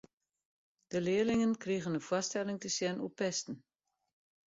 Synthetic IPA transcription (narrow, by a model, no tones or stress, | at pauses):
d̥əlɪːəlɪŋənkriɣənəfwɔstɛlɪŋtəsjɛnʔupɛstn̩